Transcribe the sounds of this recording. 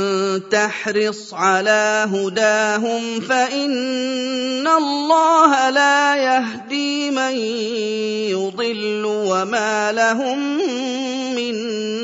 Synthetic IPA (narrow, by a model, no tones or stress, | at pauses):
t̪aħɾɨsˤʕalaːɦʊd̪aːɦʊmfaʔɪnː | alːɑːɦalaːjaɦd̪iːman | jʊd̪ˤɨlːʊwamaːlaɦʊmː | ɪn